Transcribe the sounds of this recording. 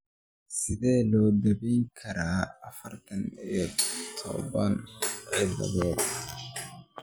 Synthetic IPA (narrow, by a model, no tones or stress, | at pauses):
sɪðɛːlɔːd̪ɐβɛjŋkʰɐɾaːɐfɐrt̪ʰɐnijɔt̪ʰɔ̰βɐnʕɪðɐ̰ðɔd̪